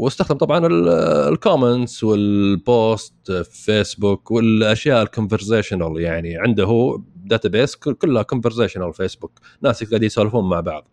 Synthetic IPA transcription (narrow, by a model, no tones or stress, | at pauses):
wɪst̪axd̪ɪmt̪ɑbʕɑnɪllkoːment̪swɪlboːst̪feːsbʊkwɪlʔaʃjaːʔɪlkʊnvɪɾseːʃɪnaljaʕniʕɪnd̪ʊɦud̪aːt̪abeːskkʊlːhakʊnvɪɾseːʃɪnalfeːsbʊknaːsɪk̪ɡaːd̪ijt̪saːlfuːnmaʕbɑ̰ʕðˤ